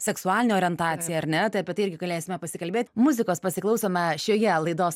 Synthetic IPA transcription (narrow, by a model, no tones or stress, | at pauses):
sʲɛksʊɑːlʲɪnʲeoːɾʲɛnt̪ɑːt̪sʲɪjɛɐɾʲnʲɛt̪ɐɪɐpʲiɛt̪ɐɪɪɾʲɡʲɪɡɐlʲeːsʲɪmʲɛpɐsʲɪkɐlʲbʲeːt̪ʲmʊzʲɪkoːspɐsʲɪklˠɐʊsoːmʲɛʃʲoːjɛlˠɐɪd̪oːs